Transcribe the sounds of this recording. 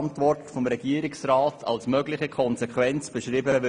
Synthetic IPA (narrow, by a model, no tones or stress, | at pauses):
ntʋɔrtfɔmɾɛɡ̥iəɾɪksraːtʰɑ̰lsmœɡlɪχəkʰɔnzɛkχʋɛnt͡sb̥əʃɾiːbəʋɪ